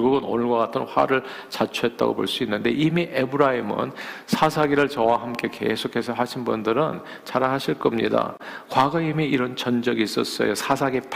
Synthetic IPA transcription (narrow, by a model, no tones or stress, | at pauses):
ʌɭɡuɡɯno̰nɯɭɡwakatʰɯnɸwa̰ɾɯɭ | t͡ɕat͡ɕʰuɦe̞t̚t͈a̰ɡo̰po̰ɭs͈uinːɯnde̞ʔimiʔe̞bɯɾaimɯ̰nsʰasʰaɡiɾɯɭt͡ɕʌwaɦamk͈e̞ke̞̰sʰokʰe̞sʰʌɦaɕʰinbundɯɾɯn | t͡ɕaɾaɦaɕʰiɭk͈ʌmɲḭda̰kwaɡʌimiiɾʌnt͡ɕʌnd͡ʑʌɡiːs͈ʌs͈ʌ̰josʰasʰaɡip